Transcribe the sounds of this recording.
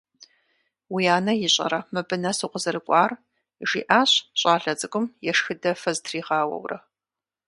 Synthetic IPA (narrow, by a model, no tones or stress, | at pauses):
wijaːnɐjɪɕʼɐ̰ɾɐmɨbɨnɐsuːqʷəzɐrɨkʷʼɑːr | ʒḭːʔaːɕɕʼaːɬɐt͡sʼɨkʷʼʊmjɛʂxɨdɐfɐztʰriːʁɑːwɐ̰wrɐ